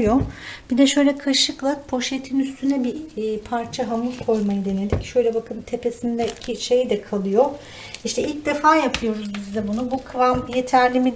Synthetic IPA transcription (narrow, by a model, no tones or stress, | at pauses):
jo̞b̥id̪ɛʃø̞jlʲɛkʰaʃɯklˠak̚pʰo̞ʃet̪ʰinyst̪ʰynɛbipʰaɾt͡ʃʰaɦanuzkʰo̞jmajɯd̪e̞ne̞d̪ʲicʃø̞jlʲɛbakʰɯnt̪ʰe̞pe̞sind̪ɛicʰiʃe̞jd̪ɛkʰalˠɯjo | iʃt̪ʰɛilʲc̚d̪e̞faːjapʰɯjo̞ɾuzbizd̪ɛbunubukʰɯvamje̞t̪ʰæɾlʲimi